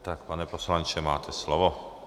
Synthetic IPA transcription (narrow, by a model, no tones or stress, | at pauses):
t̪akpanɛposlant͡ʃɛma̰ːt̪ʰɛslɔʋo